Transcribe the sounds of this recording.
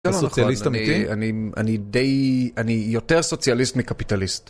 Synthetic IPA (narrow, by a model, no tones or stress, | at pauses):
mosonaχsjalistamiitia̰nia̰nidejanijo̞teʁso̞t͡sjalist̪mikapitalist